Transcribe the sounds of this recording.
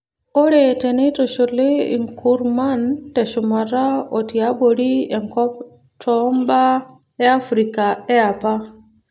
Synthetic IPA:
ʔɔɾɛtɛnɛtɔʃɔlɛḭŋkuɾmantɛʃumaɾaɔtiaboɾiɛŋkɔp | tʰɔmba | ɛafɾikaɛapa

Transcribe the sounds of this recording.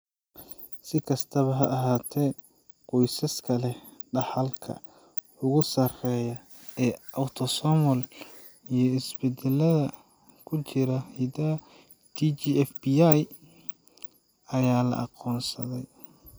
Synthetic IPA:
sɪkʰɐst̪ʰɐβɐɦɐʔɐɦaːt̪ʰɛ | qɔjsɐskʰɐlɛɖɑħɐlkʰɐ̰ | ʊɣʊsɐrɛjɐ | ɛːʔɐwt̪ʰɔsɔmɔl | ijɞɪsbɛd̪ɛlɐðɐ | kʰʊt͡ʃɪɾɐhid̪ɐ | t̪ʰit͡ʃiɛfbiaj | ɐjaːlɐ̰ʔɑ̰qɔːnsɐðɛj

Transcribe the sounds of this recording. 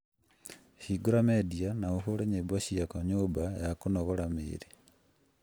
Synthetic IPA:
hiɡuɾamedianauxuleɲebwaʃijakoɲubajakunoɣolamḭɾi

